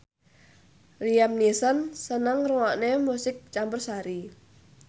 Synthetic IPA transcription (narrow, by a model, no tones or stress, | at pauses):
riamnisənsənəŋruŋaʔnemusɪk̚t͡ʃambʊrsaɾi